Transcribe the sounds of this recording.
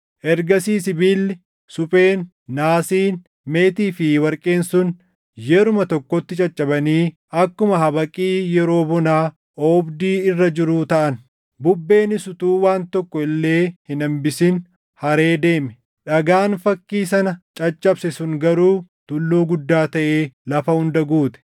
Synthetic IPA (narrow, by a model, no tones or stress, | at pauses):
ʔɛɾɡɐsiːsɪbiːlːɪ | sʊpʼeːnː | aːsiːn | me̞ːt̪iːfɪwɐɾkʼe̞ːnsʊn | jɛɾʊmɐt̪ɔkːɔt̪ːɪt͡ʃʼɐt͡ʃʼːɐbɐniː | ɐkːʊmɐɦɐbɐkʼiːjɛɾo̞ːbɔnaː | ʔɔːbd̪iːɪrːɐd͡ʒɪɾuːt̪ɐʔɐn | bʊbːe̞ːnɪsʊt̪uːwaːnt̪ɔkːɔɪlːe̞ːhɪnɐmbɪsɪn | hɐɾe̞ːd̪e̞ːmɛ | ᶑɐɡaːnfɐkːiːs̬ɐnɐt͡ʃʼɐt͡ʃʼːɐbsɛsʊŋɡɐɾuːt̪ʊlːoːɡʊd̪ːaːt̪ɐʔeːlɐfɐhʊnd̪ɐɡuːt̪ɛ̥